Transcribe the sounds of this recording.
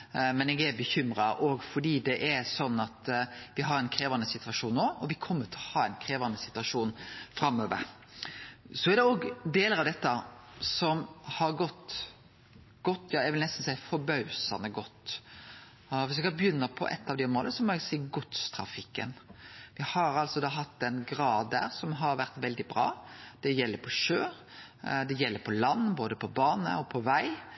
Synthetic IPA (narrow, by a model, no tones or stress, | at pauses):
mɛnɛɡɛɾbəçʏmɾɑʔɔɡfɔɖiːd̪ɛʔɛɾsɔnːɑt̪ʋɪɦɑɾɛnkʰɾeːʋɑnəsɪt̪ʰʉʋɑʂuːnːoːɔʋɪkʰɔmːəʈʰɪlhɑːɛnkʰɾeːʋɑnəsɪt̪ʉʋɑʂuːnfɾɑmːøːʋə̰ɾ | sɔæɖ̪ɛoːɡd̪eːləɾɑʋd̪ɛt̪ːəsɔmhɑɾɡɔt̪ː | ɡ̥ɔt̪ːjɑːɛʋɪlnɛst̪n̩sæɪfɔɾbɑʉsɑ̰nəɡɔt̪ː | ʋɪs̬ʋɛɡɑbəjʏnːəpʰɔ̰ʔɛ̰t̪ːɑʋd̪ɛʊmoːləəsɔmɔɛɡsiːɡʊt̪st̪ʰɾɑ̰fɪkːə̰nʋɪhɑɾɑlsɔd̪ɑːɦɑt̪ːɛnɡɾɑːd̪æ̰ːɾsɔmɦɑɾʋæɾt̪ʋɛld̪ɪbɾɑ̰ːd̪̥ɛjɛlːəɾpʰɔʃøːɾ | d̪ɛjɛlːəɾpʰɔlɑnːboːd̪əpʰɔbɑːnə̰ɔpʰɔʋæɪ